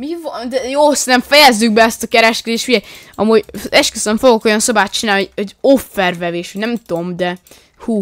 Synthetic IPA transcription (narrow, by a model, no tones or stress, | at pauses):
mivɔnd̪ɛjoːsint̪ɛɱfɛjɛzːyɡ̚bɛɛst̪ɒkɛɾɛʃkɛd̪eːʃt̪uɟɛj | ɒmuːɟɛʃkesɛɱfoɡoko̞jɒnsɒbaːt̪̚t͡ʃinaːlniooɟofːɛrvɛveːʃonɛmt̪omd̪ɛ | huː